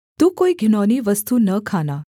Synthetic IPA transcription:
t̪ũkoiɡʱinɔniːʋəst̪unəkʰana

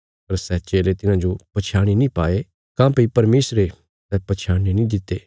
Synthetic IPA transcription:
pɐɾsɛːt͡ʃeːlet̪ɪnãd͡ʒopɐt͡ʃʰaːɽ̃inĩpaːe | kãːpipɐɾmeːsɾe | sɛːpɐt͡ʃʰaːɽ̃inĩd̪ɪt̪ːeː

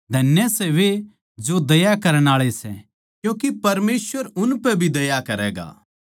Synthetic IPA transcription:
d̪ʱɐnjəsɛʋe | d͡ʒod̪ɐjakɐɾəɽ̃aːɭesɛ̰ | kjũːkipɐɾmeːsʋəɾʊnpɛbʱid̪ɐjakɐɾɛːɡa̰ː

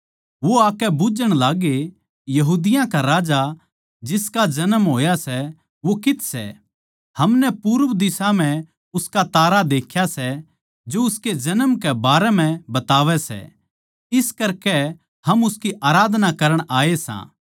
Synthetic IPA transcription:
ʋoaːkɛbʊd͡ʒəɽ̃laːɡe | jɐɦuːd̪ɪjãkaɾaːd͡ʒa | d͡ʒɪskad͡ʒɐnəmɦoːjasɛ | ʋokɪt̪sɛ̰ | hɐmnɛpuːɾʋd̪ɪsam̤ɛ̃ | ʊskat̪aːɾad̪eːkʰjasɛ | d͡ʒoʊsked͡ʒɐnəmkɛbaːɾɛm̤ɛ̃bɐt̪aːʋɛsɛ̰ | ɪskɐɾkɛ | hɐmʊskiʔaːɾaːd̪ʱnakɐɾəɽ̃aːesã̰ː

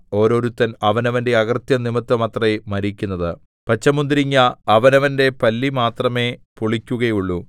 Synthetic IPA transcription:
o̞ːɾo̞ːɾut̪ːɐnɐʋɐnɐʋɐnde̞ɐɣɐrt̪jɐnimɐt̪ːɐmɐt̪rɐemɐɾikʲːunːɐðɨ | pɐt͡ɕːɐmund̪ɾiŋːɐɐʋɐnɐʋɐnde̞pɐlːimaːt̪rɐme̞puɭikʲːuɣɐjuɭːu

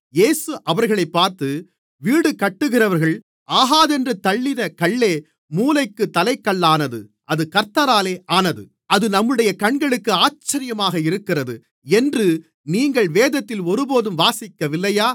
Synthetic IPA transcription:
jeːsɯʔɐʋɐɾɣɐɭɐɪpːaːɾt̪ɯ | ʋiːɽɯkɐʈːɯɣɪrɐʋɐɾɣɐɭ | ʔaːɦaːðɛndrɯt̪ːɐɭːɪðɐkɐɭːeː | muːlɐɪkːɯt̪ːɐlɐɪkːɐɭːaːnɐðɯ̰ʔɐðɯkɐɾt̪ɐɾaːleːʔaːnɐðɯ̰ | ɐðɯnɐmːɯɽɐjɐkɐɳɡɐɭɯkːɯaːt͡ʃːɐɾɪjɐmaːɣɐɪɾɯkːɪrɐðɯ | ɛndrɯ | niːŋɡɐɭʋeːðɐt̪ːɪlɔɾɯboːðɯmʋaːsɪkːɐʋɪlːɐjaː

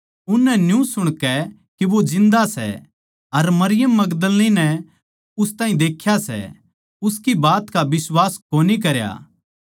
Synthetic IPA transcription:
ʊnːɛnjũsʊɽ̃kɛ | keʋod͡ʒɪ̃nd̪asɛ̰ | ɐɾmɐɾɪjəmːɐɡd̪əlninɛ | ʊst̪aːɦĩd̪eːkʰːjasɛ̰ | ʊskibaːt̪kabɪswaːskoːnik̬ɐɾja̰ː

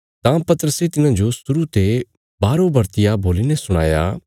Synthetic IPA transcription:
t̪ãpɐt̪əɾəset̪ɪnãd͡ʒosʊɾut̪e | baːɾobɐɾt̪ɪjaboːlinẽsʊɽ̃a̰ːja̰

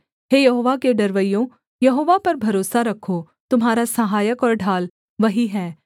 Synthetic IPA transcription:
ɦeːjɐɦoːʋakeɖɐɾʋəjjõ | jɐɦoːʋapɐɾbʱɐɾoːsaɾɐkʰːo | t̪ʊmɦaːɾasɐɦaːjəkɔːɾɖʱaːl | ʋɐɦiɦɛː

